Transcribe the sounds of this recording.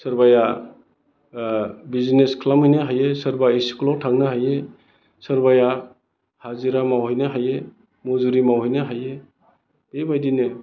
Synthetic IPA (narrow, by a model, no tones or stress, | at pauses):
sɐɾbaja | bizineskʰlamɯjnɯɦajesɐɾbaesi̥klɔtʰaŋnɯɦaje | səɾbaja | haziɾamawhɔjnɯɦaje | mozuɾimawhɔjnɯɦaje | bebajdine